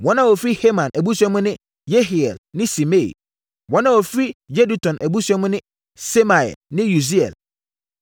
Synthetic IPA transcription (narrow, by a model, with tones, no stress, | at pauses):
wɔ̃˦nã˦wo˨fɾi˦he˦mã˨nʔæ˨bu˦sɛ˦mʊ̃˦nɪ̃˦ | je˦ɦi˨ɛ̰˨lnɪ̃˦si˨me˦ḭ˨ | wɔ̃˦nã˦wo˨fɾi˦je˦du˨tʰɔ̃˨nʔæ˨bu˦su˦ɛ˦mʊ̃˦nɪ̃˦ | se˦ma˨ɛ̰˨lnɪ̃˦ju˨s̬i˦ɛ̰˨l